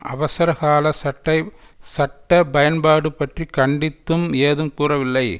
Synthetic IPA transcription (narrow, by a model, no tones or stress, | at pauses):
ʔɐ̰ʋɐsɐɾɐɣaːlɐsɐʈːɐɪ | sɐʈːɐbɐjɐnbaːɽɯpːɐʈrikɐɳɖɪt̪ːɯmeːðɯmkuːrɐʋɪlːɐɪ